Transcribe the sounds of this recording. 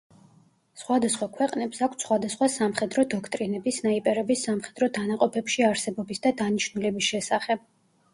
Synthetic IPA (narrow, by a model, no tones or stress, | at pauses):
sχwad̪asχwakʰwɛqʼnɛpsakʰʷt̪sχwad̪asχwasamχɛd̪ɾɔd̪ɔkʰt̪ʼɾinɛbisnaipʼɛɾɛbisːamχɛd̪ɾɔd̪anaqʼɔpʰɛpʃiaɾsɛbɔbisd̪ad̪aniʃnulɛbisʃɛsaχɛb̥̚